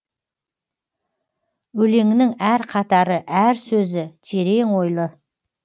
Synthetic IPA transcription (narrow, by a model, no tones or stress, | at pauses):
wɵle̞ŋɪnɪŋæɾqʰɑt̪ɑɾəʔæɾsɵzɪʒʰeɾe̞ŋwo̞jlˠə